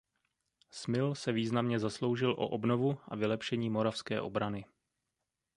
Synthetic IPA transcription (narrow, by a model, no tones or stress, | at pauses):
smɪlsɛviːznamɲɛzaslo̞wʒɪlʔo̰ʔobno̞vuʔa̰vɪlɛpʃɛɲiːmo̞ɾafskɛ̰ːʔo̞̰bɾanɪ